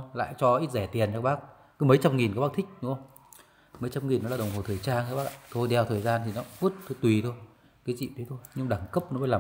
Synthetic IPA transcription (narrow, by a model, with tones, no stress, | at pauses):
la̰ː˧˨jt͡ɕɔ˧ʔi˦˥t̚zɛ˧˩t̪i˨˩ənt͡ɕaː˨˧˩ɓaː˦˥k̚ | kɨ˨˦mə˨˦jt͡ɕa˧mŋi˨˩nka˨˦ɓaː˦˥k̚t̪ʰï˦˥k̟̚ɗṵ˧˥ə˧wŋ͡m | mə˨˦jt͡ɕa˧mŋi˨˩nːɔ˨˦laː˨˩ɗə˨˩wŋ͡mho˨˩t̪ʰəː˨˩jt͡ɕaː˧nkaː˨˦ɓaː˦˥ka˧˨t̪ʰo˧jɗɛ˧˩wt̪ʰəː˨˩jzaː˧nt̪i˨˩nɔ˨˦˥vu˦˥t̚t̪ʰɨ˧˦t̪wi˨˩t̪ʰo˧j | kaː˨˦t͡ɕḭ˧˨t̪ə˨˦jt̪ʰo˧jɲɨ˧m˧ɗaː˧˩ŋkə˦˥p̚nɔ˨˦mə˨˦laː˨˩